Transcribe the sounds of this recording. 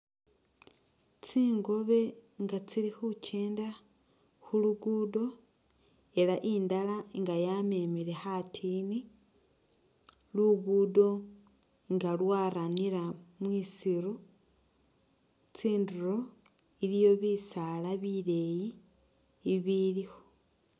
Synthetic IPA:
t͡siːŋɡo̞βe̞ŋɡat͡silixucʰeːnda | xuluɡuːdo̞ | e̞laʔiːndalaŋɡajame̞ːmile̞xatʰiːni | luɡuːdo̞ | ŋɡalwaːɾaniɾamwiːsiɾu | t͡siːnduro | ilijo̞βisalaβile̞jiː | βilixo̥

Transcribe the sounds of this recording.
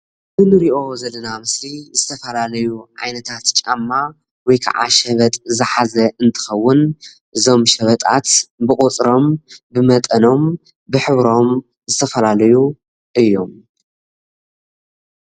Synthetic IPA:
bɨnɨɾiʔo̞zɐlːɐnamɨslizɨt̪ʰɐfɐlalɐjuʕa̰jnɐt̪ʰat̪t͡ʃʼa̰mːa | wɔjkʰa̰ʕa̰ʃɐβɐt̪ʼzɨħazɐɨnt̪ʰɨ̥xɐwːʊn | ʔɨzo̞mʃɐβɐt̪ʼa̰t̪bɨχʼut͡sʼɾo̞mbɨmɐt̪ʼɐno̞m | bɨħɨβɾo̞m | zɨt̪ʰɐfɐlalɐju | ʔɨjːom

